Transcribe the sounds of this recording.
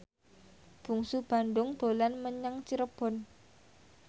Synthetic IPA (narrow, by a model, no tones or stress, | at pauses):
b̥ṳŋsub̥andʊŋd̪̥olanməɲaŋt͡ʃiɾəb̥ɔn